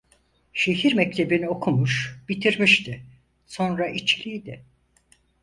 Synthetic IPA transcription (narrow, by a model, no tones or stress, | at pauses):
ʃe̞ɦiɾmɛc̚t̪ʰe̞biniokʰumuʃbit̪ʰiɾmiʃt̪ʰɪ | so̞nɾaʔit͡ʃlʲijd̪ɪ